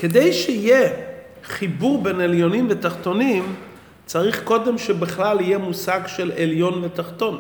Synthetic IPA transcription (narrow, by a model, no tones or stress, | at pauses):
ke̞de̞jʃeije | χibuʁbeneljo̞nimvet̪aχt̪o̞nim | t͡saʁiχko̞de̞mʃebeχlalijemusaɡʃe̞leljo̞nvetaχt̪o̞n